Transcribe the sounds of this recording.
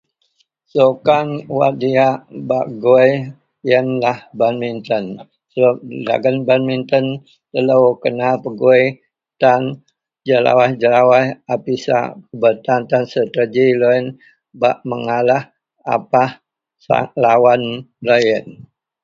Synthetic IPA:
sokanwa̰diaʔbaʔɡoj | jənlahbanmint̪ən | səada̰ɡənbanmint̪ən | t̪ələwkənapəɡo | t̪an | d͡ʒəla̰wahd͡ʒəlawahapisa̰pəbət̪ant̪ansət̪əd͡ʒiloən | baʔməŋalah | a̰pah | sa̰lawanlojən

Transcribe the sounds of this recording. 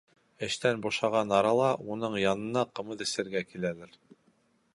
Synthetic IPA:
ɘ̆ʃt̪ænbuʃɑʁɑnɑɾɑlˠɑunɤɴjɑnɤ̆nɑqɤ̆mɤðɘ̆sɘ̆ɾɡækilælæɾ

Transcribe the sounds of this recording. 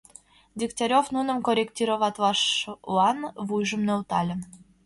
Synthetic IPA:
dʲikt̪ʲɑɾʲofnunə̆mkoɾʲektʲiɾovɑt̪ʲvɑʂlɑnvujʒə̆mnewt̪ɑ̰lʲə̆

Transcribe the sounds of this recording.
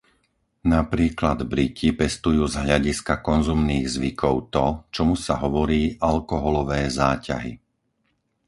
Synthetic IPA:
napɾiːklad̪bɾicipɛst̪ujuːzɦʎaɟiskakɔnzumniːɣzʋikʰɔʊt̪ɔt͡ʃɔmusaɦɔʋɔɾiːʔalkɔɦɔlɔʋɛːzaːca̰ɦḭ

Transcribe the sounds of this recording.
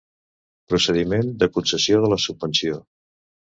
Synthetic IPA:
pɾusəðimend̪əkunsəsjoðələsubbənsio

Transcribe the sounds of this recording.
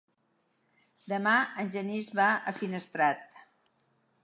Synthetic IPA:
d̪əmaənʲʒənizβaəfinəst̪ɾat̪̚

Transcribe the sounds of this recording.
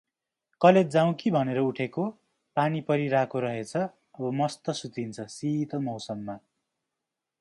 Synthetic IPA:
kʌled̪̚d͡zaw̃kibʱʌneɾʌuʈʰeko | panipʌɾiɾakʰoɾʌɦet͡sʰʌ | ʌbʌmʌst̪ʌsut̪int͡sʰʌsit̪ʌmʌwsʌmːa

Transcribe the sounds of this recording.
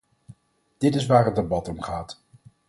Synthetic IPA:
d̥ɪtɪs̬ʋaːɹəd̚debɑtɔmχaːt

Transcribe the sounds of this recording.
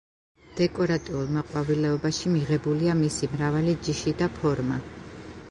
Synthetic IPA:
d̪̥ɛkʼɔɾat̪ʼiulˠmɔqʼwavilɛɔbaʃimiʁɛbuliamisimɾavalid͡ʒiʃid̪apʰɔɾma

